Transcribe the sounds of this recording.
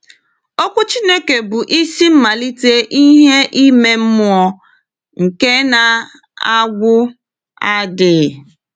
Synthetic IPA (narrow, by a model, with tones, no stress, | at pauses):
o˦kʷʊ˦t͡ʃi˦ne˦ke˨bʊ˨ʔi˦si˦m̩˦ma˨li˦te˦ʔi˦ɦe˦ʔi˦me˦m̩˦m˦ɔ˦ | ŋ̩˨ke˦na˨ | a˦ɡʷʊ˦ | a˦dɪ˨